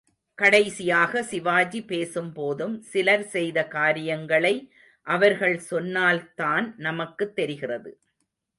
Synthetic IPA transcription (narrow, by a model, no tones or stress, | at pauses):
kɐɽɐɪsɪjaːɣɐsɪʋaːd͡ʒipeːsɯmpoːðɯmsɪlɐɾsɛjðɐkaːɾɪjɐŋɡɐɭɐɪ | ʔɐʋɐɾɣɐɭsɔnːaːlt̪aːnnɐmɐkːɯt̪ːɛɾɪɣɪrɐðɯ̰